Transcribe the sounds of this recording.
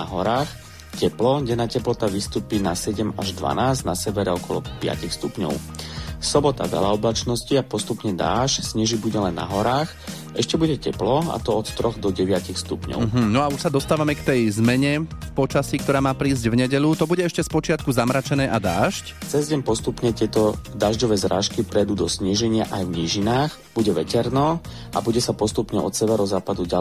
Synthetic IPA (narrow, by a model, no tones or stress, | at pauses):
aɦɔɾaːx | cɛplɔɟɛnːaːcɛplɔt̪aʋist̪uːpinasɛɟɛmaʒd̪ʋa̰naːzɟnasɛʋɛɾɛɔkɔlɔ̰pɪa̰cixst̪upɲɔ̰ʊsɔbɔt̪a̰vɛ̰laɔblat͡ʃnɔsciapɔst̪upɲɛd̪a̰ːʃcsɲɛʒibuɟɛlɛnːa̰ɦɔɾaːx | ʔɛʃcɛbuɟɛcɛplɔa̰t̪ɔɔt̪t̪ɾɔɣd̪ɔɟɛʋɪacixst̪upɲɔ̰ɦm̩nɔauʃsad̪ɔst̪aːʋamɛkt̪ɛjzmɛɲɛpɔt͡ʃasiːk̚t̪ɔɾaːmaːpɾiːzɟvɲɛɟɛʎut̪ɔbuɟɛɛʃcɛspɔt͡ʃɪat̪kuzamɾat͡ʃɛnɛːʔad̪aːʃct͡sɛzɟɛmpɔst̪upɲɛt̪ɪɛt̪ɔd̪aːʒɟɔʋɛːzɾʔa̰ːʃkipɾɛjd̪uːd̪ɔsɲiʒɛɲɪaʔajvɲiːʒinaːx | b̥uɟɛʋɛcɛɾnɔ | ʔa̰buɟɛsapɔst̪upɲɛ̰ʔɔ̰t̪sɛʋɛɾɔzaːpad̪uɟa